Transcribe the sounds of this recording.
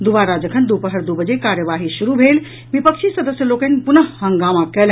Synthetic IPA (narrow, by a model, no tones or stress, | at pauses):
d̪ubaɾad͡ʒəkʰənd̪upəɦəɾd̪ubəd͡ʒekaɾjəʋaɦisuɾubʱel | bipəkt͡ʃʰisəd̪əsjəlokənpunəɦhəŋɡamakɛl